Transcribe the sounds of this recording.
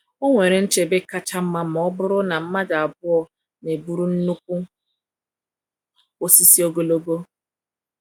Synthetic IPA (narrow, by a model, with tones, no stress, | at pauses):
o˦ŋʷe˨ɾe˨n̩˦t͡ʃe˨be˦ka˦t͡ʃa˦m̩˦ma˦mɔ˦bʊ˦ɾʊ˦na˨m̩˦ma˦da˨a˨bʊ˦ɔ˨ | ne˨bu˦ɾu˦n̩˦nu˦kʷu˦ | o˦si˦si˦o˦ɡo˦lo˦ɡo˦